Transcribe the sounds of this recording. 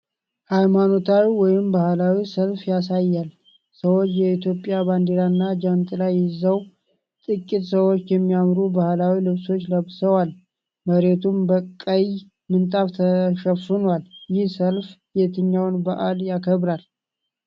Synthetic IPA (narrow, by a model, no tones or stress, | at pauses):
hajmano̞t̪ʰawiwɔjɪmbahlawisəlfjasajːal | səwot͡ʃːjɛit̪ʰjo̞pʼːjaband̪eɾanːad͡ʒant̪ʼɨlajːɪzəw | t̪ʼɨkʼːit̪səwo̞t͡ʃːjɛmːijamɾubahlawilɨβso̞t͡ʃːləβsəwal | məɾe̞t̪ʰumbəkʼːəj | mɨnt̪ʼaft̪ʰəʃəfɨnwaljɪhsəlfjet̪ʰɨɲːawnbaʔaljakʰəβɾal